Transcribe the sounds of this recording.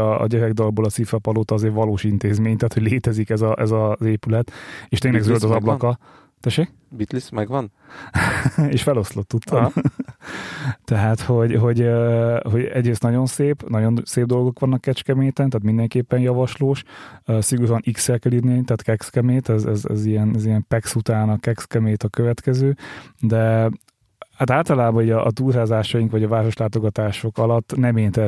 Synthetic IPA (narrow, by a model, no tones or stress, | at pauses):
ɒ̰ːɟɛɾɛɡd̪ɒlboːlɒt̪sifɛpɒloːt̪ɒzeːrvɒloːʃint̪eːzmeːɲt̪æaːt̪ho̞ɟleːt̪ɛzikɛzɒʔɛzɒzeːpylɛt̪eːʃt̪eːŋlɛɡzølt̪ɒzɒblɒkkɒ | t̪ɛʃeːk | bit̪lismɛɡʋɒn | eːʃfɛlo̞slo̞t̪ːut̪ːom | t̪ɛɦaːt̪ho̞ɟɦo̞ɟøɦo̞ɟɛɟreːst̪nɒɟo̞nseːpnɒɟo̞nseːb̚d̪o̞lɡo̞kʋɒnːɒkːɛt͡ʃkɛmeːt̪ɛnt̪aːt̪mind̪ɛŋkeːpːɛnjɒvɒʃloːʃsiɡuɾoɒniksɛrkɛlirneːnt̪aːt̪kɛkskɛmeːt̪ɛzɛzɛ̰zijɛnɛzijɛmpɛksut̪aːnɒkɛkskɛmeːt̪ɒkøvɛt̪kɛzøːd̪ɛ | hat̪aːlt̪ɒlaːbɒniɟɒʔːt̪uːlɦaːzaːʃɒjiŋkʋɒɟɒvaːɾo̞ʃlaːt̪o̞ɡɒt̪aːʃo̞kɒlɒt̪ːnɛmeːnt̪ɛ